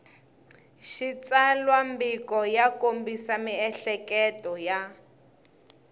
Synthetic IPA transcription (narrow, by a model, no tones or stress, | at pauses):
ʃit͡salwambikɔjakombisamiɛɬɛkɛtɔja